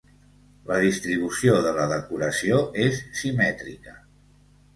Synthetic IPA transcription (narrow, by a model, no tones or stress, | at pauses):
ləð̞ist̪ɾiβ̞usioðələðəkuɾəsioesːimɛt̪ɾikə